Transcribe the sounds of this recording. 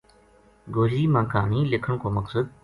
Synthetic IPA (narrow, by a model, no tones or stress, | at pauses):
ɡoːɦiːmãːkaːniːlɪkʰəɽ̃kʰoːmɐksəd̪̚